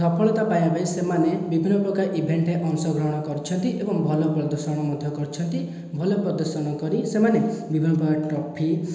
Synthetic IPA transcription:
sɔpʰɔɭɔt̪apajabajsemanebibʱinːɔpɾɔkaɾʔibʱeɳʈeʔɔŋsɔɡɾɔɦɔɽ̃ɔkɔɾit͡ʃʰɔnt̪iʔebɔŋbʱɔlɔpɾɔd̪ɔɾsɔɽ̃ɔmɔd̪ʱjɔkɔɾt͡ʃʰɔnt̪i | bʱɔlɔpɾɔd̪ɔɾsɔɽ̃ɔkɔɾisemanebibʱinːɔpɾɔkaʈɾɔpʰi

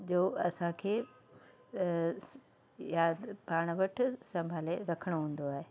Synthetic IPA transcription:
d͡ʑoːɐsãkʰeː | jaːd̪paːɽ̃ʋɐʈ̆ʰsɐ̃mbʱaːleɾɐkʰəɽ̃oɦũːn̆d̪oaːɦeː

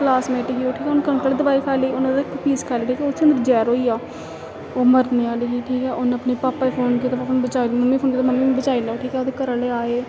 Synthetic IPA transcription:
klaːsmɛ̃ːʈɪɡioːʈʰiːkɛːʊnkənk̪əld̪əbaːiːkʰaːleːʊnːd̪ekpiːskʰaːleːʈʰiːkɛoʊt̪ʰːẽə̃nd̪əɾd͡ʒɛːɾɦoːiːaː | oːməɾd̪mẽːaːleːɡiːʈʰiːkɛːʔʊnəpneːpaːpːaːipʰoːnk̬it̪aːpapːbət͡ʃaːilməmːiːpʰoːnkiːt̪oməmːibət͡ʃaːilaːʈʰiːkɛːoːd̪eːkəɾəleːaːeː

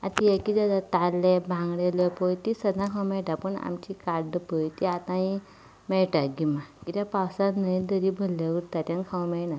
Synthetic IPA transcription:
at̪ijakid̪ad̪at̪alːebʱãŋɡɽelepəjt̪isəd̪ʱãkʰawmɛɭʈapəɳa̰mt͡ɕikaɾɖpəjt̪iat̪ãi | mɛɭʈaɡimakit̪japawsanəjd̪əɾibʱəlːaʋəɾt̪at̪jãnkʰãwmɛnã

